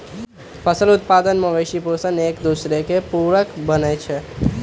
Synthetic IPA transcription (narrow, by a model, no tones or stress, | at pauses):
fʰəsəlʊt̪̚pad̪ənməʋeʃiposəneːkd̪usɾekepuɭəkbənet͡ʃʰe